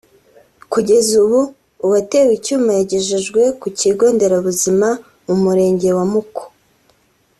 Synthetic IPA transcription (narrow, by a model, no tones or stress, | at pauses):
kuɟe̞zuβuː | wate̞wicuːmajaɟeʒeʒɡwe̞kuciɡo̞ːnde̞ɾaβuzima | mumuɾe̞ːɲɟe̞wamuko̥